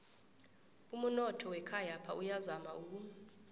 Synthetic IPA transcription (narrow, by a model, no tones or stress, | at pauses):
um̩nɔtʰɔwɛkʰajapʰa̰ʔujazamaʔuːk̬u